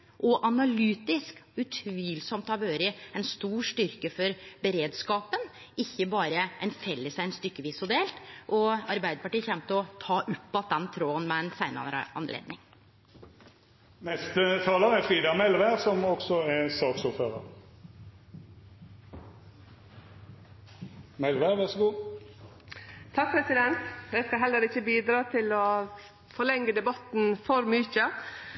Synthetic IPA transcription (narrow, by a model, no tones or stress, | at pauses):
ʔɔʔɑnɑlyːt̪ɪskʉt̪ʰʋiːlsɔmt̪ɑʋøːɾəɛnst̪uːʂt̪ʏɾkəfɔɾbəɾeːd̪skɑːpən | ɪçːəbɑːɾəʔɛnfɛlːəsæɪnst̪ʏkːəʋiːsʊd̪eːlt̪ʔɔɑɾbæɪd̪əpɑʈiːçɛmt̪əɔt̪ʰɑːʔʉpːɑt̪̚d̪ɛnt̪ʰɾoːənmɛɛnsæɪnə̰ɑ̰nlḛːd̪nɪŋ | nɛst̪ət̪ʰɑːləʁɛfʁiːd̪ɑmɛlʋæːʁsɔmɔksɔɛsɑːksuːføːʁə̰ʁ | mɛlʋæːʁʋæʁsəɡuː | t̪ʰɑk̚pʰɾɛsɪd̪ɛnt̪ɛskɑɦɛlːəɾɪçːəbiːd̪ɾɑːt̪ʰɪlɔ | fɔlɛŋɡəd̪ɛbɑt̪n̩fɔɾmʉːçə